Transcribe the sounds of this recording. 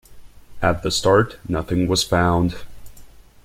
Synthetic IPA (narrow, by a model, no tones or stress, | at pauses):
ɨt̪̚ðɨstɑɹtnʌθɪ̃ŋwʌz̥fãʊ̃nd̥